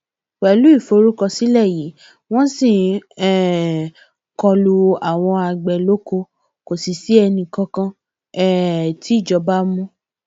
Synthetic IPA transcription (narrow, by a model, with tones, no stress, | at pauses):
k͡pɛ˨lu˨˦i˦˨fo˧˦ɾu˦kɔ˧si˦lɛ˦˨ji˨˦ | w̃ɔ̃˦sĩ˦˨ɛ˦˨ | kɔ˧lu˧a˨w̃ɔ̃˧a˧˨ɡ͡bɛ˨lo˦ko˧ | ko˨si˨si˨˦ɛ˧nĩ˧kã˧kã˧ | ɛ˦ti˨˦˨d͡ʒɔ˨˧˦ba˦mũ˦